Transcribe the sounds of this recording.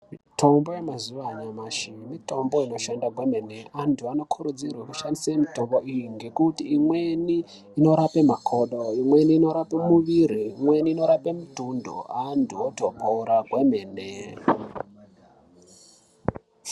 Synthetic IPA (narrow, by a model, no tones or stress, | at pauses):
miitʰo̞mbojemazuʋaɲamaʃimito̞mbo̞ino̞ʃandaɡʱweme̞neantʰuano̞kʰuɾud͡zirwekuʃandisamito̞mboʔijiŋɡe̞kutiːmwe̞niː | no̞ɾape̞makʰo̞ɗoimwe̞niːno̞ɾapemuʋiɾiːmwe̞niːno̞ɾape̞mutundo̰antʰuotobʱoɾaɡʱwemeːne